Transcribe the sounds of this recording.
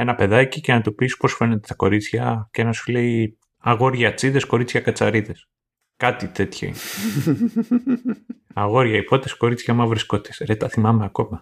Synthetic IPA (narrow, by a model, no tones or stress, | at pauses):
e̞nɐpe̞ðɐcice̞nɐt̪upispo̞sfe̞net̪et̪ɐko̞ɾit͡sçɐcenɐsule̞i | ɐɣo̞ɾʝɐt͡siðe̞sko̞ɾit͡sçɐkɐt͡sɐɾiðe̞s | kɐt̪it̪e̞t̪ço̰ḭne | ɐɣo̞ɾʝɐipo̞t̪esko̞ɾit͡sçɐmɐvɾiskot̪e̥sɾet̪ɐθimɐmeɐko̞mɐ